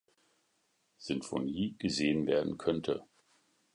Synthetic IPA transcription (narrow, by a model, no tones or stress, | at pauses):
z̥ɪnfoniːɡ̥əzeːənveːɐdn̩kʰœntʰə̰